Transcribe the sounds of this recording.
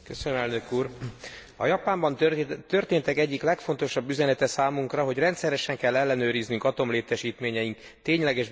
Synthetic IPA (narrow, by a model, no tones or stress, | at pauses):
køsønømɛlnø̞kuːr | ɒ̰jɒpaːmbɒnt̪ørt̪eːnt̪ɛkɛɟːiklɛkfo̞n̪t̪o̞ʃɒbːyzɛnɛt̪ɛsaːmuŋkrɒɦo̞ɟrɛnt̪sɛɾɛʃɛŋkɛlːɛlːɛnøːɾiznyŋkɒt̪o̞mleːt̪ɛʃiːt̪meːɲɛjiŋk | t̪eːɲlɛɡɛʒ